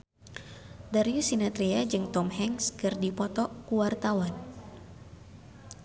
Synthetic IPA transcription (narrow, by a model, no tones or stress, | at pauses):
darjusinat̪ɾiad͡ʒɨŋt̪ɔmhɛŋskɨrdipɔt̪ɔkuwart̪awan